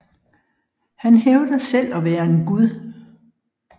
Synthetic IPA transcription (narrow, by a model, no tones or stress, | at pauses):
hænɦeʊd̥əsel̰ɒ̽ʋæːɐe̝nɡ̥uð̞ˠ